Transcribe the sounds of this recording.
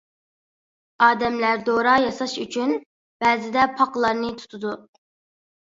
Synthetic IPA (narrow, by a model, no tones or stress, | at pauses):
ɑːd̪ɛmlæɾd̪oɾɑjɑsɑʃyt͡ʃʰyn | b̥ɛːzɪd̪ɛpʰɑqlˠɑɾnɨt̪ʰu̥t̪ʰud̪u